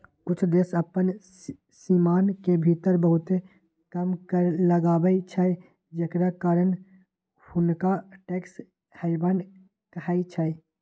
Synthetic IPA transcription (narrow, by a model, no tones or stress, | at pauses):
kut͡ʃʰd̪esəpːən | simankebʱit̪əɾbəɦut̪e | kəmkəɾləɡabəɪt͡ʃʰə | d͡ʒekɾakaɾən | hunkaʈeks | həɪbən | kəaɪt͡ʃʰəj